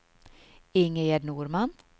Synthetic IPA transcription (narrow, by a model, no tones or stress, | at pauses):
ɪŋəjɛɖnuːɾmɑn